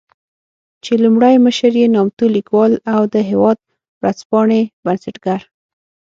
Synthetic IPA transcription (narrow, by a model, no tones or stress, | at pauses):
t͡ʃelumɽajməʃəɾjenɑmt̪ulikwɑlawd̪əɦewɑd̪̚ | wɾaspɑɳebansaʈɡaɾ